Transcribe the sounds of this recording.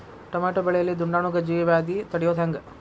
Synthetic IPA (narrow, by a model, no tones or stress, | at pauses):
ʈɐmaːʈobɛɭɛjɐlːid̪uɳɖaːɳuɡɐd͡ʒiːʋiʋaːd̪it̪ɐɽijoːt̪ʰɐŋɡɐ